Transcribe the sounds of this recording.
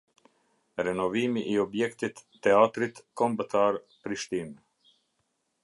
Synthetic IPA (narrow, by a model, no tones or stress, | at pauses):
ɾɛnɔvimiʔːɔbjɛkt̪it̪ːɛat̪ɾit̪kɔmbət̪aɾ | pɾiʃt̪in